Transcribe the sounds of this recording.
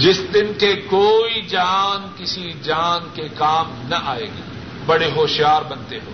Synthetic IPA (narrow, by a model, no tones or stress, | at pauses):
d͡ʒɪsd̪ɪnkekoːid͡ʒaːnkɪsid͡ʒaːnkekaːmnɐʔaːḛːɡiː | bɐɽeɦoːʃijaːɾbɐnt̪eɦõː